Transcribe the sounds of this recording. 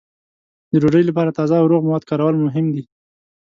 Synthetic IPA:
d̪əɾoɖəjlapɑɾat̪ɑzawɾoɣmawɑd̪̚kɑɾawəlmʊɦɪmd̪i

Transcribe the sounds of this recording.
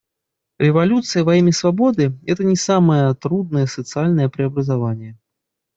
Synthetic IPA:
rʲɛvalʲut̪sɨjɐvajimʲɛsvabɔd̪ɨɣɛt̪ɐnʲɛsamɐjɐt̪ɾud̪̚nɐjɛsɐt̪sɨalʲnɐjɛpɾɨɐbɾɐzavanʲːɛ

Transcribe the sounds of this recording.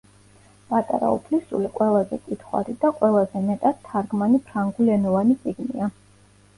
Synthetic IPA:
pʼat̪ʼa̰ɾa̰ṵpʰlisṵliqʼwɛlˠazɛ̰kʼit̪ʰχwa̰ɾid̪aqʼwɛlˠazɛmɛt̪ʼad̪ʰːaɾɡmanipʰɾaŋɡuliɛnɔvanit̪sʼiɡnḭa

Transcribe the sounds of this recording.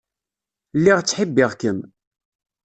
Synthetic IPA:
lːiʁt͡sːħəbːɪʁkəm

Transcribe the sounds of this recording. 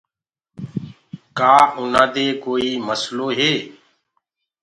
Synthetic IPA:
kaːʔʊnãːd̪eːkoːiːməsloːɦeː

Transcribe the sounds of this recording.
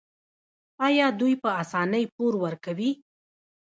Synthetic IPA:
ɑjɑd̪ujpəasɑnəjpoɾwəɾkawi

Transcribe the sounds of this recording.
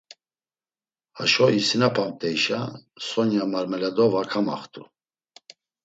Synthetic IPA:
haʃɔisinapʰamt̪ʼɛiʃasɔnjamaɾmɛlad̪ɔvakʰama̰χt̪ʼu

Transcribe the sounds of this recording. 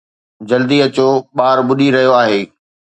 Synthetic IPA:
d͡ʑɐld̪iɐt͡ɕoɓaːɾɓʊɗiɾɐɦijoaːɦeː

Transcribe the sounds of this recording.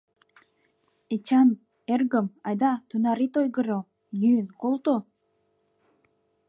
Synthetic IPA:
et͡ɕɑn | erɡəmɑjd̪ɑt̪unɑɾit̪ojɡɤ̆ɾo | jynkolˠt̪o

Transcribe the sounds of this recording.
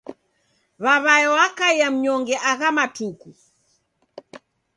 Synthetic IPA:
βaβajɔwakaiam̩ɲɔŋɡɛʔaɣamatuku

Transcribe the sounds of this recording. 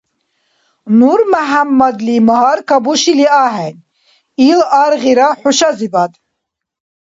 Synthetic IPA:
nuɾmaɦamːad̪limɔɦaɾkʰabuʃiliaɦɛn | ilaɾʁiɾaħuʃazibad̪

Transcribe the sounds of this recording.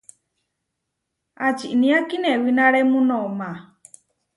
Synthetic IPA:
at͡ʃiʔnĩakinɛwinaɺɛmũnɔmã

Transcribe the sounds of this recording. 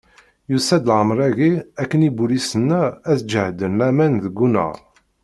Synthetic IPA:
jusæd̪lʕəmɾˤæɣiækːənibulisənːææθd͡ʒəʕd̪ənlæmænðəɡːunə̰ʁ

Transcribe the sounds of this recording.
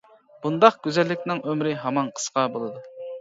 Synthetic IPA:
b̥und̪ɑqɡʲyzɛlːɪkʲnɪŋʔømɾɪɦɑmɑnqʰə̥sqʰɑbolˠɨd̪u

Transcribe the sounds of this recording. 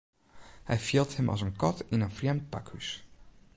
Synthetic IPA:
hɛ̰jfilˠthəmʔɑ̰sənkɔtɪnənfrjɛmt̚pakhys

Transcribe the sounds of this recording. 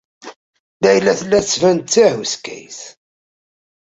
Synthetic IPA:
dæjlːæθlːæt͡sːvænt̪t͡sːæhuskæ̰jθ

